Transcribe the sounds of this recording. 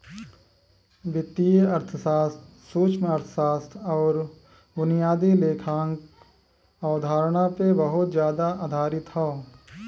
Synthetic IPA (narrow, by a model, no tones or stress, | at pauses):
ʋɪt̪ːiɐɾt̪ʰəsaːst̪ | suːt͡ʃmɐɾt̪ʰə̥saːst̪ʰɔːɾ | bʊnijaːd̪ileːkʰaːŋk | aːd̪ʱaːɾɽ̃apebəɦʊt̪d͡ʒjaːd̪aʔaːd̪ʱaːɾɪt̪ɦaː